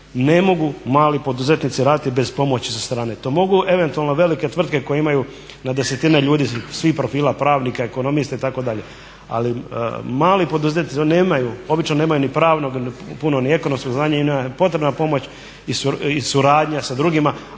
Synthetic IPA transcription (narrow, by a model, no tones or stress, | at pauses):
ne̞mo̞ɡumaːlipo̞d̪uze̞t̪nit̪siɾaːd̪it̪ibe̞zpo̞mo̞t͡ɕisast̪ɾaːne̞t̪o̞ːmo̞ɡuʔe̞ʋe̞nt̪ualˠno̞ʋe̞like̞t̪ʋr̩d̪ke̞ko̞jeimaju | nad̪e̞set̪ineʎuːd̪iːsʋihpɾo̞fiːlapɾaːʋnikaeko̞no̞mist̪ait̪ako̞d̪aʎe̞ | a̰limaːlipo̞d̪uzet̪nineːmajuo̞bit͡ʃnoneːmajunipɾaːʋno̞ɡpunonie̞ko̞no̞msko̞ɡznaːɲaiapo̞t̪ɾebnapo̞mo̞t͡ɕ | isuisuɾaːd̪ɲasad̪ɾuɡima